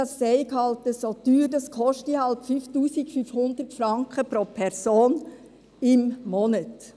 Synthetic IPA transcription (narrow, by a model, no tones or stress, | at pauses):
ɑsːɛɪkhɑltəsot̪yːɾdɑskʰɔʃtihɑlpfyftuːsiɡfyfhʊnd̪ərtfɾɑŋkχəpɾopʰɛɾsoːn | ɪmmɔnət